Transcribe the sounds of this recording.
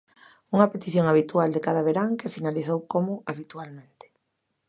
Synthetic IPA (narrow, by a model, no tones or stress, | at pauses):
uŋɐpet̪iθjoŋaβ̞it̪uald̪ekaðaβeɾaŋkefinaliθowkomʊaβit̪ualmẽnt̪ɪ̥